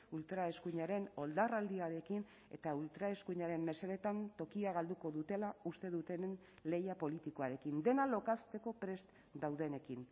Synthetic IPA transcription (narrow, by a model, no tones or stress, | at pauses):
ult̪ɾae̞skuɲaɾe̞no̞ld̪arald̪iaɾe̞kin | e̞̰t̪ault̪ɾae̞skuɲaɾe̞mːe̞seɾe̞t̪ant̪o̞kiaɣ̞ald̪uko̞ðut̪e̞laust̪e̞ðut̪e̞nn | le̞japo̞lit̪iko̞aɾe̞kind̪e̞nalo̞kast̪e̞ko̞pɾe̞st̪ | d̪awðe̞nekin